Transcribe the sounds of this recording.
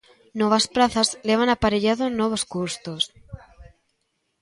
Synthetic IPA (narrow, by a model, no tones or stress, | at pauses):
noβ̞aspɾaθazleβ̞anapaɾeʎaðonoβ̞oskuɾst̪os